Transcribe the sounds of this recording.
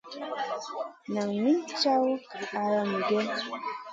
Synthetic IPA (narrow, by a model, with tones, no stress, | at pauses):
na˨ŋmi˦nt͡ʃa˦wa˨ɾa˨mu˨ɡɛ˦